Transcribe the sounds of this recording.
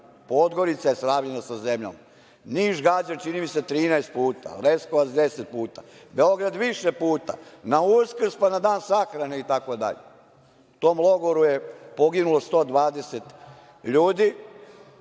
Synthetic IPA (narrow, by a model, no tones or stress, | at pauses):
po̞d̪ɡo̞ɾit̪sajesɾaːʋʎenasazemʎa̰ma | niːʃɡad͡ʑant͡ʃinimiset̪ɾiːnaest̪̚puːt̪a̰leskoʋazd̪eset̪̚puːt̪a̰beo̞ɡɾad̪ʋiʃe̞puːt̪a̰nauskr̩spanad̪aːnsaxɾaneit̪ako̞d̪a̰ʎḛ | ut̪o̞ːmlˠo̞ɡoɾuje̞po̞ɡinulo̞st̪o̞ːd̪ʋaːd̪e̞set̪ | ʎuːd̪i